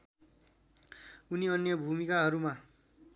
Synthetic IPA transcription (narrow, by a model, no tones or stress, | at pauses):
uniʌnjʌbʱumikaɦʌɾuma